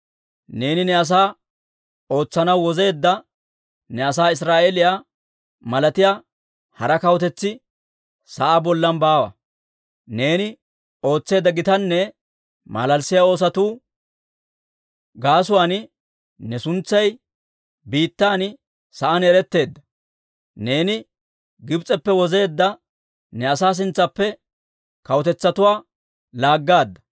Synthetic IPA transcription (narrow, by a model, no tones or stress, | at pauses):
ne̞ːnɪnɛɐs̬aː | o̞ːt͡sːɐnɐwːɔze̞ːd̪ːɐ | nɛɐs̬aːɪs̬ɾaːʔelɪjaː | mɐlɐt̪ɪjaː | hɐɾɐkɐwɔt̪ɛt͡sːɪ | sɐʔabɔlːɐnbaːwɐ̰ | ne̞ːnɪ | o̞ːt͡sːe̞ːd̪ːɐɡɪt̪ɐnːɛ | mɐ̰lɐlsɪjao̞ːs̬ɐt̪uː | ɡaːs̬ʊwaːn | nɛsʊnt͡sːɐj | biːt̪ːaːn | sɐʔɐnɛɾɛt̪ːe̞ːd̪ːɐ | ne̞ːnɪ | ɡɪbt͡sʼɛpːɛwɔze̞ːd̪ːɐ | nɛɐsaːs̬ɪnt͡sːɐpːɛ | kɐwɔt̪ɛt͡sːɐt̪ʊwaː | laːɡːaːd̪ːɐ̥